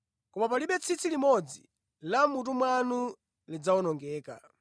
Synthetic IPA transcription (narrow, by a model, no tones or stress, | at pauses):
kɔmapaliɓɛt͡sʰit͡sʰilimɔd͡zḭ | lamut̬umwanu | lid͡zawɔnɔŋɡɛːka̰